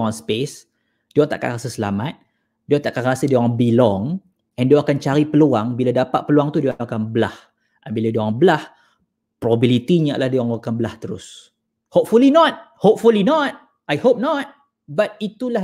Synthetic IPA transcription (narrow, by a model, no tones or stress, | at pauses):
ŋɔnspes | d̥iɔŋt̪aʔka̰nɾasəsəla̰mat̪̚ | diɔŋt̪aʔkanrasədiɔaŋbilɔŋ | ɛndiɔakant͡ʃaɾipəluaŋbiladapa̰t̪̚pəluaŋt̪udiɔŋakanbəlah | ʔabiladiaŋbəlah | pɾobabilit̪iɲa̰ʔlahdiaŋbəkanbəlaht̪əɾʊ̰s | hop̚fulinɔt̪̚ | hop̚fulinɔt̪̚ | ʔajhop̚nɔt̪̚ | bat̪̚it̪ula